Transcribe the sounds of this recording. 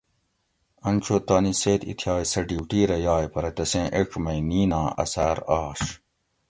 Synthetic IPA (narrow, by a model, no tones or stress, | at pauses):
ɐnt͡ɕʰot̪aːniseːt̪ḭt̪ʰjaːjsɐʈiwʈiːɾɐjaːjpɐɾɐt̪ɐsẽːʔeʈ͡ʂʰmɐjniːnãːɐ̰saːɾaːɕ